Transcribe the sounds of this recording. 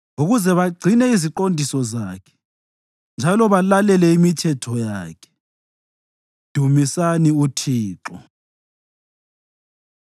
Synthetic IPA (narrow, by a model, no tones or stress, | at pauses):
uɣuzɛβaɡ͡ǀʱinɛiziǃondʱisɔzaːkʰɛ̥ | nd͡ʒʱalɔβalalɛlɛimitʰɛtʰɔjaːkʰɛ̥ | d̥ʱumisaniutʰiːǁɔ